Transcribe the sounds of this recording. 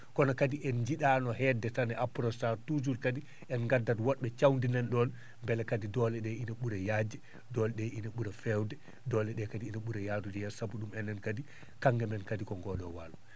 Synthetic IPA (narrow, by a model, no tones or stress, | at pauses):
kɔnɔkadiʔɛnd͡ʒiɗanɔhɛdɛtanɛʔapɾɔstaɾtud͡ʒuɾkadi | ɛnŋɡadːatwɔɗɓɛt͡ʃawndinɛnɗɔn | mbɛlɛkadidɔlɛɗɛinaɓuɾajaːd͡ʒɛ | dɔlɛɗɛinaɓuɾafɛwdɛ | dɔlɛɗɛkadiinaɓuɾajaːdud͡ʒɔjɛsabuɗumɛnːɛnkadi | kaŋɡɛmɛnkadikɔŋɡɔɗɔwa̰lu